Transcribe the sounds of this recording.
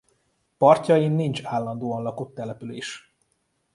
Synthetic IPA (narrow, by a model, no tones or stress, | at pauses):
pɒrcɒjinːint͡ʃaːlːɒnd̪oːɒnlɒkot̪ːɛlɛpyleːʃ